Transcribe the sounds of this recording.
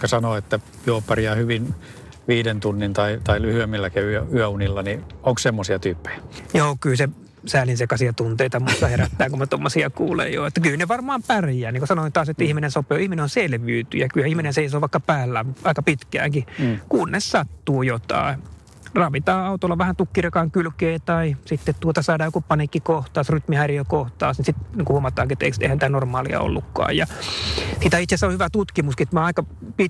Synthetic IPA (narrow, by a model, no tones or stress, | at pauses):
kɑsɑnoet̪ːæ | juopːɑriɑhyʋin | ʋiːdent̪unːint̪ɑit̪ɑilyhyømːilːækeyøyøunilːɑnioŋkssemːosiɑt̪yːpːe̥j̥æjoːkylse | sæːlinsekɑsiɑt̪unt̪eit̪ɑmust̪ɑheɾæt̪ːæːŋkumet̪omːosiɑkṵːlḛjjo̰ːet̪ːækylneʋɑrmɑːmpærjæːniŋkosɑnoit̪ɑːset̪ːæihminensopeːihmineonselʋyːt̪y̰jækylhæihminenseisoːʋɑˑikːɑpæːlːæːmɑikɑpit̪kæ̰ːŋkikuːnːessɑt̪ːuːjot̪ɑ̰ˑe | rɑʋit̪ɑːɑut̪olːɑʋæhænt̪ukːirekɑːŋkylkeːt̪ɑisit̪ːet̪t̪uot̪ɑsɑidɑːjokupɑnikːikoht̪ɑːsryt̪mihærijøkoht̪ɑːsnisit̪niːŋkuhuomɑt̪ɑːŋkiet̪ːeiksḛhænit̪ænormɑːliɑ̰o̰lːukːɑ̰ːjjɑ | sit̪æit̪sesːæohyʋæt̪ut̪kimuskiet̪mɑːɑikɑ | pit